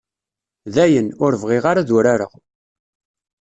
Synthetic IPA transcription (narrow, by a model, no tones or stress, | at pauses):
ðæjənʊɾvʁɪʁaɾaðʊɾaɾə̰ʁ